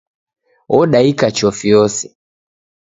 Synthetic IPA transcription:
ɔɗaikat͡ʃɔfiɔsɛ

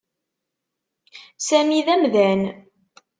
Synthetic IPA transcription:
sæmiðæmðæn

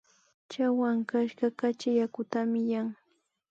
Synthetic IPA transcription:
t͡ʃawaŋkaʃɢɑkat͡ʃajakʊt̪amɪjaŋ

